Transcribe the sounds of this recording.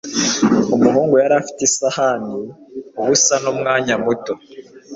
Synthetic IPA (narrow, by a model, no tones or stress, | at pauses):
umuɦuːŋɡujaɾaːfi̥tesahaːndiuβusanomŋaːɲamuto